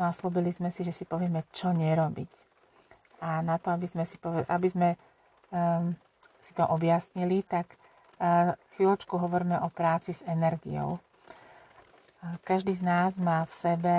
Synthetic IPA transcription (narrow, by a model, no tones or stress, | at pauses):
aslubilizmɛsiʒɛsipɔʋɪɛmɛt͡ʃɔɲɛɾɔbḭc | anat̪ɔabizmɛsipɔɛʔabizmɛ | si̥t̪ɔʔɔbjasɲilit̪ak | xʋilɔt͡ʃkuɦɔʋɔɾmɛʔɔpɾaːt͡sizɛnɛɾɡḭjɔ̰ʊ | kaʒd̪iːznaːzmaːfsɛbɛ